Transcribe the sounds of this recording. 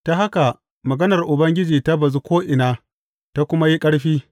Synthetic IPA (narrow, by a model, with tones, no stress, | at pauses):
ta˨ɦa˦ka˨ | mɐ˨ɡɐ˦nɐ˨rʔʊ˨bɐ˦ŋɡʲɪ˦d͡ʒiː˨ta˦bɐ˨zu˦kʷoː˦ʔɪ˨naː˦ | ta˦kʷʊ˦ma˦ji˦kʼɐ˦ɽɸiː˦